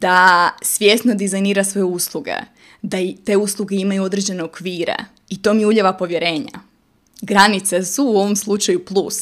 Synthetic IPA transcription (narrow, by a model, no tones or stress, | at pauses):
d̪̥asʋʲje̞sno̞d̪izajniːɾasʋo̞jeuslˠuɡḛ | d̪at̪e̞uslˠuɡe̞imajuo̞d̪ɾe̞d͡ʑe̞ne̞o̞kʋiːɾḛ | it̪o̞ːmiuʎeʋapo̞ʋjeɾe̞ːɲa̰ | ɡɾanit̪sesuːo̞ʋo̞mslˠut͡ʃajuplˠus